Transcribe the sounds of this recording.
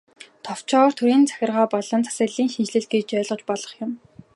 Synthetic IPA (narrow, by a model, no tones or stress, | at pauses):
t̪ʰɔw̥t͡ɕʰɔːr̥t̪ʰuɾiːnt͡sʰḁxʲɪ̆rʁaːpɔɮɞ̆nt͡sʰḁsə̆ɮiːŋʃint͡ɕɮɘ̆ɮ̚ɡet͡ɕœːɮʁɞ̆t͡ɕpɔɮɞ̆χjʊm